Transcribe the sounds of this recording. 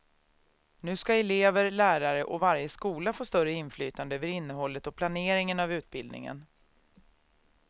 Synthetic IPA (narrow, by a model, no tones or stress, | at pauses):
nʉ̟ːskaɛleːvəɾlæːɾaɾəʔɔvaɾjəskuːlafoːst̪œɾəɪnfly̰ːt̪and̪əøːvəɾɪnːəɦɔlːət̪ɔpʰlaneːɾɪŋənavʉ̟ːt̪̚bɪld̪nɪ̰ŋə̰n